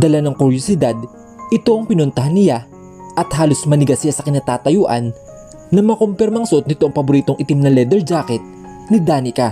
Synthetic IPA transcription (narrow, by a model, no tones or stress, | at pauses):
d̪ɐlanɐŋkʊɾjosɪd̪ad̪̚ | ɪt̪o̞ʔɐŋpɪnʊnt̪ɐɦanːɪla | ʔɐt̪̚haːlo̞smɐnɪɡasɪjasɐkɪnaːt̪aːt̪ɐjuːʔɐ̰nː | ɐmɐkompɛɾmɐʔːŋsɐʔo̞t̪̚nɪt̪oʔɐŋpɐbʊɾiːt̪oŋʔɪt̪ɪmnɐlɛd̪ɛɹd͡ʒakɛt̪̚ | nɪd̪aːnɪka